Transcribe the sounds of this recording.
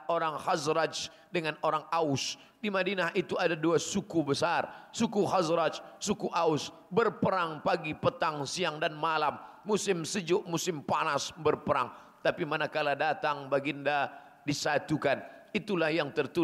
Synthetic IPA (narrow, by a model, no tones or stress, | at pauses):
oɾaŋhazɾad͡ʒ | dəŋanoɾaŋaʊs | dimadinaɦʔit̪uadaduasukubəsarsukuhazɾad͡ʒsukuʔaʊs | bərpəɾaŋpaɡipət̪aŋsiaŋdanmalamː | usɪmsəd͡ʒʊʔmusɪmpanasbərpəɾa̰ŋ | t̪apimanakaladat̪aŋbaɡinda | disat̪ukanit̪ulahjaŋt̪ərt̪u